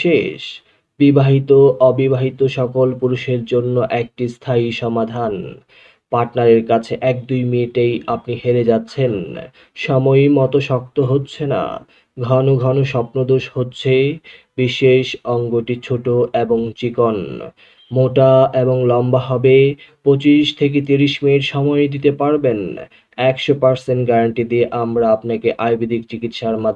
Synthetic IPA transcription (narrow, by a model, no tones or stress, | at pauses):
ʃeʃ | bibaɦit̪oʔɔbibaɦit̪oʃɔkolpuɾuʃeɾd͡ʑonːoʔɛk̚ʈist̪ʰajʃɔmad̪ʱan | paɾʈnaɾeɾkat͡ɕʰeʔɛk̚d̪ujminʈejapniɦeɾed͡ʑatːɕʰen | ʃɔmojmɔt̪oʃɔk̚t̪oɦotːɕʰena̰ | ɡʱɔnoɡʱɔnoʃɔpnod̪oʃhotːɕʰe | biʃeʃɔŋɡoʈit͡ɕʰoʈoʔeboŋt͡ɕikon | moʈaeboŋlɔmbaɦɔbepɾot͡ɕiʃt̪ʰek̬et̪iɾiʃmeɾʃɔmɔed̪it̪epaɾben | ɛkʃopaɾseɳʈɡaɾaɳʈid̪ieʔamɾaapnakeʔajbid̪ʱik̚t͡ɕikit̪ʃaɾma